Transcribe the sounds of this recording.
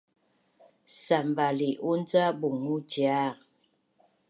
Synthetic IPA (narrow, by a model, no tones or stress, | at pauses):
sambaliʔund͡zabuŋudja